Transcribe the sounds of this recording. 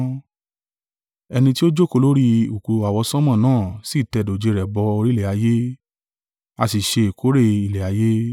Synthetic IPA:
ɛ˧nĩ˧ti˦o˦d͡ʒo˦ko˧lo˦ɾi˦u˨ku˧a˨wɔ˧sɔ̃˦mã˦˨nãː˦˨si˦˨tɛ˧do˨d͡ʒe˧ɾɛ˨bɔ˧˦o˧ɾi˦lɛ˨a˨˧je˦ | a˧si˨ʃe˧e˨kʰo˨˦ɾe˦˨i˨lɛ˨a˨˧˦je˦

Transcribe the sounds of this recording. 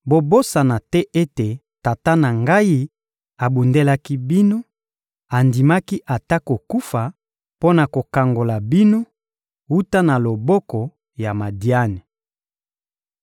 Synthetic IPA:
bo˨bo˦sa˨na˨tɛ˦ʔe˦te˨ | ta˨ta˦na˨ŋɡa˦i˦ | a˨bu˨nde˦la˦ki˦bi˦no˦ | a˨ndi˨ma˦ki˦ʔa˨ta˦ko˨ku˦fa˨ | po˦na˨ko˨ka˨ŋɡo˨la˨bi˦no˦ | wu˦ta˦na˨lo˨bɔ˦kɔ˨ | ja˨ma˨di˨a˦nɛ˨

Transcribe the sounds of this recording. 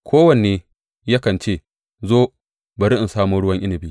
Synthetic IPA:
kʷʰoː˦wɐ˨neː˨ | ja˦kɐ˨nt͡ʃeː˦˨ | zoː˦ | bɐ˨ɾɪ˦ʔɪ˨nsaː˦muː˦ɽʊ˦wɐ˦ŋʔɪ˦nɪ˨biː˦

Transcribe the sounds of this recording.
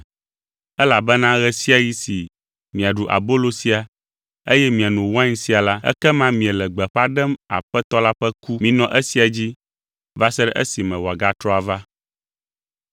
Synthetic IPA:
ɛ˦la˨bɛ˦nã˦ɣɛ˨si˦a˨ji˦si˨ | mĩ˨a˨ɖu˨ʔa̰˨bo˦lo˦si˨a˨ | e˦jɛ˦mĩ˨a˨nũ˨wã˦ɲ˦si˦a˨la˦ɛ̰˦kɛ˦mã˦mĩ˨ɛ˨lɛ˨ɡ͡bɛ˨ɸa˦ɖɛ˦ma̰˨ɸɛ˦t̪ɔ˦la˦ɸɛ˦ku˦mĩ˨nɔ̃˨ʔɛ˦si˨a˨d͡ʑi˦ | va˦sɛ˦ɖɛ˦ʔɛ̰˦si˨mɛ̃˨wɔ˨a˨ɡa˦t̪ɾɔ˦a˨va˦

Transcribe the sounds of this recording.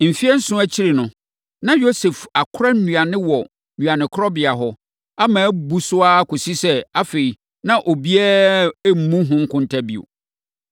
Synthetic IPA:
m̩˨fi˦ɛ˦n̩˦sʊ̃˦æ˦t͡ɕʰi˦ɾe˨nʊ̃˨ | nã˦jo˦se˨fa˨kʰʊ˦ɾa˦n˦nũ˨a˨nɪ̃˦wɔ˨ | nũ˨a˨nɪ̃˨kʰɔ˦bɪ˨a˨ɦɔ˨ | a˦mãː˨˦bu˦sʊ˦a˦kʊ˨si˦sɛ˦a˦fe˨i˨ | nã˦ʔo˨bi˦ɛ˦m̩˨mũ˦ɦʊ̃˦ŋ̩˦kʰʊ̃˦n˦tʰa˦bi˨o̰˨

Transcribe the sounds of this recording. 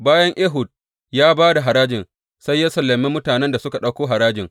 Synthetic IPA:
baː˦jɐ˦ŋʔeː˦ɦʊ˨d̚ | jaː˦baː˦da˨ɦa˨ɾaː˦d͡ʒɪ˨n | sa˦jːa˦sɐ˨lːɐ˨mːe˦mʊ˦taː˨nɛ˦nda˨sʊ˦ka˨ɗɐ˦wkʷoː˦ɦa˨ɾaː˦d͡ʒɪ˨ŋ

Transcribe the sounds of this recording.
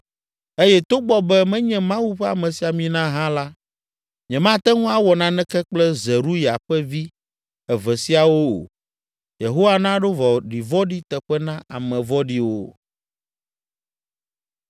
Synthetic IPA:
e˦jɛ˦t̪o˦ɡ͡bɔ˦bɛ˦mɛ̃˦ɲɛ̃˨mã˦wu˦ɸɛ˦a˨mɛ̃˨si˨a˨mĩ˨nã˦ɦã˦la˦ | ɲɛ̃˨mã˦t̪ɛ˦ŋũ˦a˦wɔ˨nã˦nɛ̃˦kɛ˦k͡plɛ˦zɛ˨ɾu˦ja˨ɸɛ˦vi˦ | ɛ˨vɛ˨si˦a˨wo̰˦˨ | je˨ɦo˦wa˦nã˦ɖo˦vɔ˨ɖi˨vɔ˦ɖi˦t̪ɛ˨ɸɛ˦nã˦ʔa˨mɛ̃˨vɔ˦ɖi˦wo˦

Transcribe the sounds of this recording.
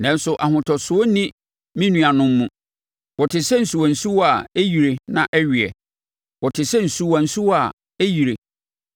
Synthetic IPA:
nɛ̃˦n˦sʊ˨ʔa˨ɦʊ̃˨tʰɔ˨sʊ˨˦ɔ˦nĩ˦ | mĩ˦nũ˨a˨nʊ̃˦mː˦ũ˦˨ | wɔ˨tʰɪ˨sɛ˦n̩˨su˨wa˨n̩˨su˦wa˨æ˦ji˨ɾe˨nã˦ʔɛ˦ɥɪ˨ɛ̰˨ | wɔ˨tʰɪ˨sɛ˦n̩˨su˨wã˨n̩˨su˦a˨ | æ˦ji˨ɾe˨

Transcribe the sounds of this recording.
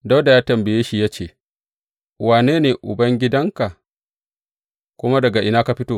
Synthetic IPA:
da˦wda˨jaː˦tɐ˨mbɪ˨jeː˦ʃi˨jaː˦t͡ʃeː˨ | waː˨neː˦neː˨ʔʊ̰˨bɐ˦ŋɡʲɪ˦dɐ˦ŋka˨ | kʷʊ˦ma˦dɐ˨ɡa˨ʔɪ˦naː˦ka˨ɸɪ˦toː˦˨

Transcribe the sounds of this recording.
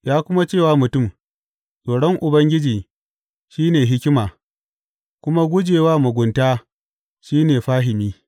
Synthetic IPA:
jaː˦kʷʊ˦ma˦t͡ʃeː˦˨waː˦mʊ˨tʊ˦˨m | sʼoː˨ɽɔ˦ŋʔʊ˨bɐ˦ŋɡʲɪ˦d͡ʒiː˨ | ʃiː˦neː˨ɦɪ˦kʲɪ˦maː˨ | kʷʊ˦ma˦ɡʷʊ˦d͡ʒeː˨waː˦mʊ˨ɡʷʊ˨ntaː˦ | ʃiː˦neː˨ɸaː˦ɦɪ˨miː˦

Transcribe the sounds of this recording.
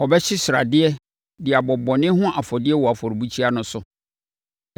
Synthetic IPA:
ɔ˨bɛ˦ɕɪ˦sɾa̰˨dɪ˦ɛ˦ | dɪ˨a˨bɔ˨bɔ˨nɪ̃˦ɦʊ̃˦ʔa˨fɔ˨dɪ˦ɛ˦wɔ˨a˨fɔ˨ɾi˨bu˦t͡ɕʰi˦a˦nʊ̃˨sʊ˨

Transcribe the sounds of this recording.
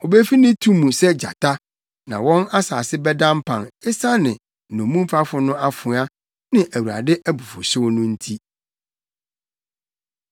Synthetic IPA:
ɔ˨be˦fi˦nɪ̃˦tʰũ˦mːũ˨sɛ˦d͡ʑa̰˨tʰa˦ | nã̰˨wɔ̃˦na˦saː˨sɪ˦bɛ˦dã˦m˦pʰã˨nɪ˦sa˦nɪ̃˨ | nʊ̃˨mũ˦m˦fa˦fʊ˨nʊ̃˦a˦fʊ̃˨˦a˦ | nɪ̃˦ʔæ˨wu˨ɾa̰˨dɪ˦ʔæ˦bu˨fʊ̰˨ɕɪ˦wɔ˦nʊ̃˦n̩˦tʰi˦

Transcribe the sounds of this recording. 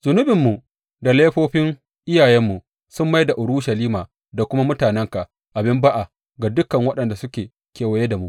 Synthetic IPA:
zʊ˨nʊ˦bɪ˨mːu˨ | da˨leː˦ɸoː˦ɸɪ˦ŋ | ʔɪ˦jaː˨jɛ˦mːu˨ | sʊ˦mːa˦jda˨ʔʊ˨ɾʊ˦ʃa˨liː˦maː˨ | da˨kʷʊ˦ma˦mʊ˦taː˨nɛ˦ŋka˨ | ʔa˨bɪ˦mba˦ʔa˨ | ɡa˨dʊ˦kɐ˨ŋwɐ˦ɗɐ˨nda˨sʊ˦kʲeː˨ | kʲeː˨wɐ˨je˦da˨mu˦ʔ

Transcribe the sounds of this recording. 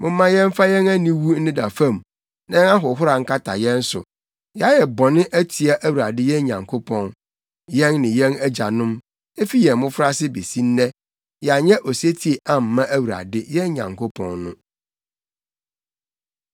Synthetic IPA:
mʊ̃˦mã˦jɛ̃˦m˦fa˦jɛ̃˦næ˦nĩ˦wu˦n̩˦nɪ̃˦da˨fã˦˨m˨ | nã˦nã˦ɦʊ˨˦ɦʊ˦ɾa˨ŋ̩˦kʰa˦tʰa̰˨jɛ̃˦n˦sʊ̰˨ | jɛ˨a˦jɛ˨bɔ˨nɪ̃˦ʔæ˦tʰi˨a˦ʔæ˦wu˨ɾa˨dɪ˦jɛ̃˦ɲã̰˨ŋkʰo˦pʰɔ̃˨n | jɛ̃˦nːɪ̃˨jɛ̃˦næ˦d͡ʑa˨nʊ̃˦m | e˦fi˦jɛ̃˨m˨mʊ̃˦fɾa˦sɪ˦be˨sĩ˦n̩˦nɛ̃˦ | jɛ˨a˨ɲɛ̃˦ʔɔ˨si˦e˦tʰi˨e˨ʔã˦m̩˨mã˦ʔæ˦wu˨ɾa̰˨dɪ˦jɛ˦ɲã̰˨ŋkʰo˦pʰɔ̰̃˨nːʊ̰̃˦

